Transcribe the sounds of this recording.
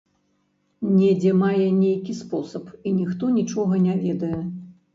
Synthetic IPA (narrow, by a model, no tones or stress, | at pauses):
nʲɛd͡zʲɛmajɛnʲejkʲispɔsɐpinʲixt̪ɔnʲit͡ʂɔɣɐnʲavʲɛd̪ɐjɛ